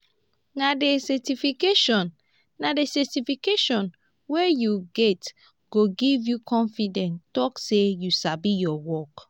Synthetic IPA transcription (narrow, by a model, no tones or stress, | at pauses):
nadesɛtifikeʃɔ̃nː | adesɛtifikeʃɔ̃n | wejuɡɛt | ɡ̥oɡivjukʰɔ̃nfidɛ̃ntɔksejusabijɔwɔk